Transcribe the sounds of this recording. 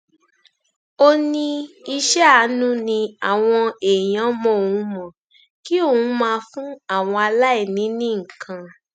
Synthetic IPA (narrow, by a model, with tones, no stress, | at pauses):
o˦nĩ˧i˧ʃɛ˦a˨˦nũ˦nĩ˧a˨w̃ɔ̃˧e˨j̃ã˨˦mɔ̃˦o˨ũ˨˦mɔ̃˨ | ki˦o˦˨ũ˨˦mãː˧fũ˦a˦˨w̃ɔ̃˧a˧la˦i˦˨nĩ˨˦nĩ˦ŋ̩˨kʰã˧